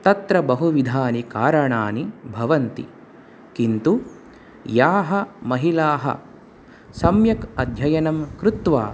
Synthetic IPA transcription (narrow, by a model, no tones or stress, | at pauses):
t̪ɐt̪ɾɐbɐɦuʋid̪ʱaːnikaːɾɐɳaːnibʱɐʋɐnt̪ḭ | kint̪u | jaːɦɐmɐɦilaːɦɐ̰ | sɐmjɐkɐd̪ʱjɐjɐnɐmkɾut̪ʋa̰ː